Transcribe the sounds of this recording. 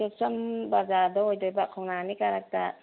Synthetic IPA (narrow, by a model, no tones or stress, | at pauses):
ɔsambazaːd̪ɔjd̪ɔjbakʰɔŋnaːnikaɾak̚t̪a